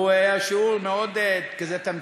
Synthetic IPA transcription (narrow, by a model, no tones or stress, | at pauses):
uajaʃiulmeod̪kazɛt̪am